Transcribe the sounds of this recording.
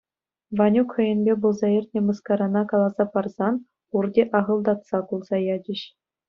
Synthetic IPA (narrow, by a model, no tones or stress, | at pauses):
vɑnʲukχɤ̆jɘ̆nʲbʲebulˠzɑirʲtʲnʲĕmɤ̆skɑɾɑnɑkɑlˠɑzɑpɑrz̥ɑn | urdʲeʔɑʁɤ̆lˠd̪ɑt̪sɑkulˠzɑjɑd͡ʑʲɘ̆ɕ